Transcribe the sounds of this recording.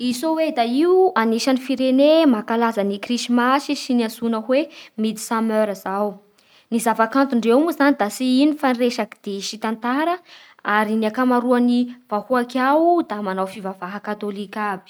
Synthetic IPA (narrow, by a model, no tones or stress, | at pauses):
isowed̪aiuaniʃanifiɾenemakalazanikriʃimaʃiʃiniasunəɦwemid̪i̥samøɾəzaw | nizavakant̪uɳɖ͡ʐewmuzanid̪asiinifanreʃaki̥d̪̥eʃit̪ant̪aɾə | aɾiniakamaɾuaniv̥ahuakawd̪amanawfivavaɦakat̪olikʲab̥i̥